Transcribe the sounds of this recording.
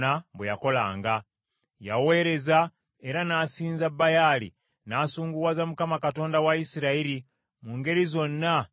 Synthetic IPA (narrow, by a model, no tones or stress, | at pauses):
aβwejako̞laːŋɡa | ja̰we̞ːɾe̞za | e̞ɾanaːsiːnzabajalḭ | naːsuːŋɡuwazamukamakato̞ːndawaisiɾaiɾi | muŋɡe̞ɾizo̞nːa